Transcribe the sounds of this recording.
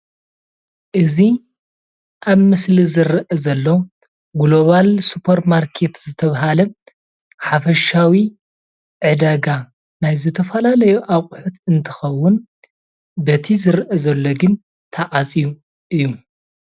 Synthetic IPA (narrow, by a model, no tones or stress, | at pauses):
ʔɨzi | ʔaβmɨslizɨɾʔɐzɐlːo̞ | ɡlo̞βalsupʰɐɾmaɾkʰe̞t̪zɨt̪ʰɐβaɦalɐ | ħafɐʃawi | ʕɨd̪aɡa | najzɨt̪ʰɐfɐlalɐjuʔakʼħut̪ʰɨnt̪ʰɨxɐwːʊn | bɐt̪ʰizɨɾʔɐzɐlːo̞ɡɨn | t̪ʰaʔʼat͡sʼiju | ʔɨjːu